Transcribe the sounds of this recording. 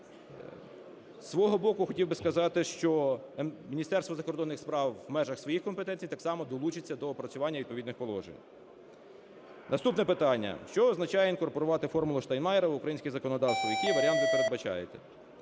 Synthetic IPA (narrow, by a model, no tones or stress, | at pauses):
sʋɔɦɔbɔkʊxɔtʲiwbɪskɐzɑt̪ɪʃt͡ʃɔ | mʲinʲist̪ɛrst̪ʋɔzɐkɔrd̪ɔnːɪxspɾɑwːmɛʒɐxsʋɔjixkɔmpet̪ɛnʲt͡sʲijt̪ɑksɑmɔd̪ɔlˠut͡ʃɪt͡sʲːɐd̪ɔpɾɐt͡sʲʊʋɑnʲːɐʋid̪̚pɔʋʲid̪nɪxpɔlˠɔ̰ʒḛnʲ | nɐst̪upnɛpɪt̪ɑnʲːɐ̰ʃt͡ʃɔɔznɐt͡ʃɑjɛinkɔrpɔɾʊʋɑt̪ɪfɔrmʊlˠʊʃt̪ɐjnmɑjɛɾɐʊkɾɐjinʲsʲkʲɪzɐkɔnɔd̪ɑwst̪ʋɔjɐkʲiʋɐɾʲiɑnt̪ʋɪpeɾed̪̚bɐt͡ʃɑ̰jḛt̪ɛ